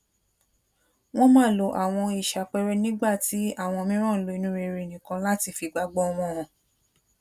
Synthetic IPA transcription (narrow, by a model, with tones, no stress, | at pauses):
w̃ɔ̃˦mãː˦˨lo˨˦ʔa˨w̃ɔ̃˧i˨ʃa˨k͡pɛ˧ɾɛ˦nĩ˦ɡ͡ba˦˨ti˨˦a˦˨w̃ɔ̃˧mĩ˦ɾ̃ã˦˨lo˨˧i˧nũ˦ɾe˧ɾe˨nĩ˨kã˧la˦ti˧˦fi˧ɡ͡ba˧ɡ͡bɔ˦˧w̃ɔ̃˧˨ɔ̃˨